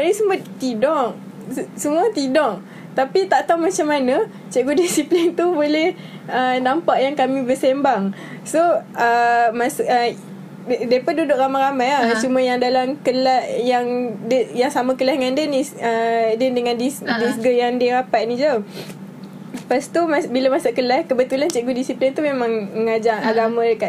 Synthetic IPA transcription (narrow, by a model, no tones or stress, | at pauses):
kanisəbʊt̪t̪idɔʔ | ssəmũat̪idɔʔ | t̪apit̪aʔt̪aumat͡ʃamanə | t͡ʃɛʔɡudisiplint̪ubolɛh | ənampaʔjaŋkamĩbəsembaŋ | soəmasə | depadudʊʔ̚ɾamaɾamajat͡ʃumãjaŋdalamkəlaʔjaŋdəjaŋsamakəlahŋandənisədəndəŋandisdisɡəjaŋdəɾapaʔ̪̚nid͡ʒə | past̪umasbilamasaʔkəlahkəbət̪ulant͡ʃɛʔɡudisiplint̪umemãŋməŋad͡ʒaŋaɡamãdəka